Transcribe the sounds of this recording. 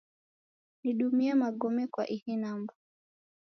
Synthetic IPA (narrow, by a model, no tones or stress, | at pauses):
niɗumiamaɠɔmɛkwa̰ʔihinamba